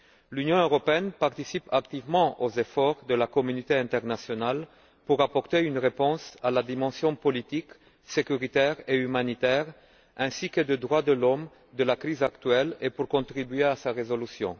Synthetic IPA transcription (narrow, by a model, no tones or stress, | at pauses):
lynjɔ̃øʁɔpeɛnpaʁt̪isipakt̪ivmɑ̃ʔozefɔʁd̪əlakɔmynit̪eɛ̃nt̪ɛʁnasjɔnal | puʁapɔʁt̪eynʁepɔ̃salad̪imɑ̃sjɔ̃pɔlit̪ik | sekyʁit̪ɛʁeymanit̪ɛʁ | ɛ̃sikəd̪əd̪ʁwad̪əlɔm | d̪əlakʁizakt̪ɥɛlepuʁkɔ̃t̪ʁibyeasaʁezolysjɔ̰̃